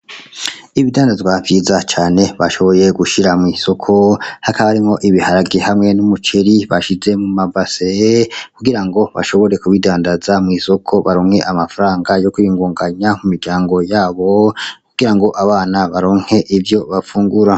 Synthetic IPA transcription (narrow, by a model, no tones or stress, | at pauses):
iβidaːndazɡwavjiːzat͡ʃaːne̞βaʃo̞βo̞je̞ɡuʃiɾamŋiːso̞kʰo̞hakaβaaɾimŋo̞ʔiβihaɾaɡihamŋe̞numut͡ʃeɾiβaʃize̞mumabasekuɡiɾaŋɡo̞βa̰ʃo̞βo̞ɾe̞kuβidaːndazamŋiːso̞kʰo̞βaɾoːŋhe̞ʔamafaɾaːŋɡajo̞kuiːŋɡuːŋɡaɲamumiɾɟaːŋɡo̞jaːβo̞kuɡ̥iɾaŋɡo̞ʔaβaːnaβaɾoːŋhe̞ʔivjo̞βafuːŋɡuɾa